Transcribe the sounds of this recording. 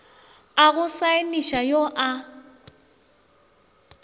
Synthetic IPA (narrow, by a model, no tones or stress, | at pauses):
aɣʊsaɪniʃajoʔa